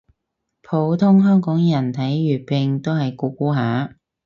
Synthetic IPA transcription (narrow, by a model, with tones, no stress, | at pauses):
pʰo˨˥wt̪ʰʊ˥ŋɦœː˥ŋkɔː˨˥ŋjɐ˨˩nt̪ʰɐ˨˥jɥyː˨˩pɪ˧ŋt̪o˥whɐ˨jkuː˨˧˥kuː˥ɦaː˨˥